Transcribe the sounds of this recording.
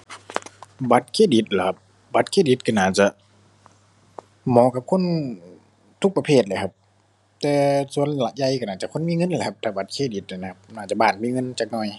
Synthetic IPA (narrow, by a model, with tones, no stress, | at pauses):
ba˨˦t̪̚kʰeː˧˨di˨˦t̪̚la˨˩kʰa˧˦p̚ | ba˨˦t̪̚kʰeː˧˩di˨˦t̪̚kʰa˧˩˨naː˧˩t͡ɕa˧˦ʔ | mɔː˨˦ka˧˦p̚kʰo˧˥˨n | t̪ʰu˧˥k̚pa˧pʰeː˧˩t̪̚la˨˩kʰa˧p̚ | t̪ɛː˧su˧˨ənlaː˧ʔ̚ja˧˩jka˧˩naː˧˩t͡ɕa˧ʔkʰo˧˥˨miː˧˥˨ŋɤ˧˥˨nlːkʰa˧p̚t̪ʰaː˧˩ba˨˦t̪̚kʰeː˧˩˨di˨˧˦t̪̚la˧˩na˧˩kʰa˧p̚naː˧˩t͡ɕa˧˦baː˧˩n̚miː˧˨ŋɤ˧˥˨nt͡ɕaː˧˩k̚nɔː˧˩j